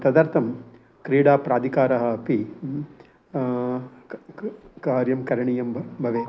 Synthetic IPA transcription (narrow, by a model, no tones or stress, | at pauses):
t̪ɐd̪ɐɾt̪ʰɐm | kɾiːɽaːpɾaːd̪ʱikaːɾɐɦɐ̆ːpi | kaːɾjɐmkɐɾɐɳijɐmbbʱɐʋeː